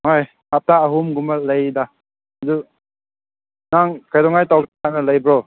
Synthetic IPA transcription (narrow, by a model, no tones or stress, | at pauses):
ŋaj | hap̚taːɦumɡumalajda | du | naŋkʰajdɔŋajtawanaləjbɾɔ